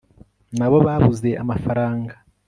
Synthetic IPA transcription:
naβo̞βaβuze̞ʔa̰mafaɾaːŋɡa

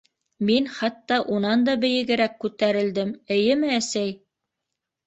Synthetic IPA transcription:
minχɑt̪ːɑʔunɑnd̪ɑbɘ̆jɘ̆ɡɘ̆ɾækːʉt̪æɾɘ̆ld̪ɘmɘ̆jɘmɘæsæj

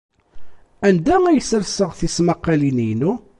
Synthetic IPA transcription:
ænd̪æŋæjəsəɾsəʁθismaqːɑlinijnu

